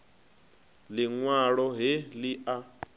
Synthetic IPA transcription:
liŋwaɺɔɦeliʔa

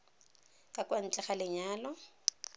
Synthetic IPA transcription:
kʼakʼwan̩t͡ʃʼɛχalɪɲaːlɔ

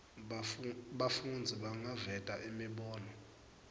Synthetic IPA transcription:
ɓafund͡zʱiɓaŋavɛtʼaʔimiɓɔːnɔ

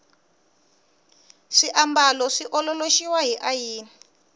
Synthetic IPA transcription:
ʂiʔambalɔʂiʔɔlɔloʃiwaɦiʔajiːni

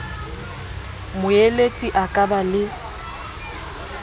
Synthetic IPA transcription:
mʊeletʼiʔakʼabalɪ

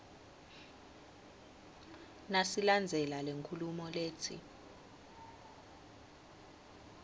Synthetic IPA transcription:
nasiland͡zʱɛlaleŋkʰulumɔleːt͡sʰḭ

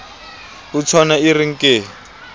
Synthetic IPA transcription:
ut͡sʰɔnairiŋ̩keː

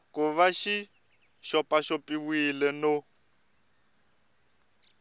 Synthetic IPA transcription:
kuβaʃi | ʃɔpʼaʃɔpʼiwilɛno

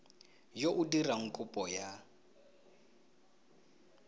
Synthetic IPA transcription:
joʔudiraŋ̩kʼupʼɔja

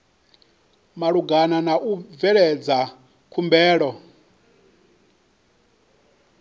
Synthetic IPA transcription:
maɺuɡananaʔuvɛɺɛd͡za | kʰumbɛːɺɔ

